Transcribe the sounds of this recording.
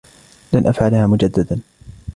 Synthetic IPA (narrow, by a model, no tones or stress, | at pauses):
lanʔafʕalahaːmʊd͡ʒad̪ːad̪an